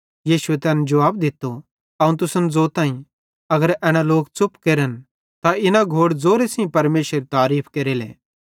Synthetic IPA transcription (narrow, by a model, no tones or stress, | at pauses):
jiːʃuet̪ɛːnɛd͡ʒɐʋaːb̚d̪ɪt̪ːo | ɐũt̪ʊsənd͡zoːt̪ãːĩ | ɐɡəɾɛːɽ̃aloːkt͡sʊpkeːɾən | t̪aɪnaɡʱoːɽd͡zoːɾesĩpɐɾmeːʃəɾet̪aːɾiːpʰkeːɾelɛ̰ː